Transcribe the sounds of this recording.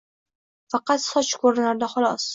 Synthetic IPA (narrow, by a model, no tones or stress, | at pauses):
fɑqɑt̪sɒt͡ʃkʰoɾnaɾd̪aχʊlˠɒs